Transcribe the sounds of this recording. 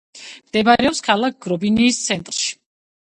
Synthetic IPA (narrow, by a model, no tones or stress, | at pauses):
md̪̥ɛbaɾɛɔpskʰalˠak̚ʰɡ̥ɾɔbiniːst̪sʰɛnt̪ʼɾʃi̥